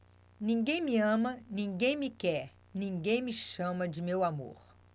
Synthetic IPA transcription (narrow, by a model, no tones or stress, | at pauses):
nĩŋɡẽj̃miɐ̃mɐnĩɡẽj̃mɪkɛɾ | nĩɡẽj̃mɪʃɐ̃mɐd͡ʒɪmewamo̰ɾ